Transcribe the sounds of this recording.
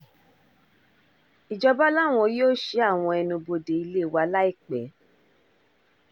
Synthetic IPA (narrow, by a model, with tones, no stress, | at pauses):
i˨d͡ʒɔ˧ba˦la˦˨w̃ɔ̃˧joː˦˨ʃe˦a˦˨w̃ɔ̃˧ɛ˧nũ˧bo˧de˨i˧le˦˨wa˧la˦i˦˨k͡pɛ˨˦